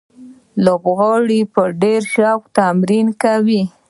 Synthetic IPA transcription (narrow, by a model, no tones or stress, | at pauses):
lobɣɑɽipəɖeɾʃɑkt̪amɾinkawi